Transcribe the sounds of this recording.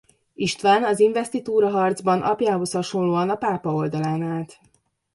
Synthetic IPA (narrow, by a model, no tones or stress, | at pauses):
iʃt̪ʋaːnɒziɱvɛst̪it̪uːɾɒɦɒrd̪zbɒnʔɒ̰pjaːɦo̞shɒʃo̞nloːɒnɒpaːpɒold̪ɒlaːnaːt̪